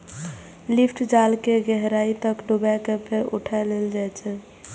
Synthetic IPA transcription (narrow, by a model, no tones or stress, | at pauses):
lipʰʈd͡ʒalkeɡɛɦɾait̪əkɖobakepʰeɾuʈʰaleld͡ʒajt͡ʃʰɛ